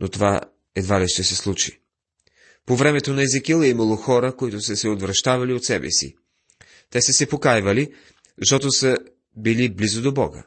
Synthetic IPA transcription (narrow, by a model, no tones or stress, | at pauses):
nʔot̪ova̰ | ɛd̪valiʃt̪ɛsɛslˠut͡ʃḭ | povɾɛmɛt̪onɐɛzikilˠɛiməlˠoxɔɾəkoit̪ʊsəsɛod̪vɾɐʃt̪avɐliot̪sɛbɛ̰sḭ | t̪ɛsəsɛpokajvəli | zɐʃt̪ɔt̪osə | biliblizod̪obɔɡə̰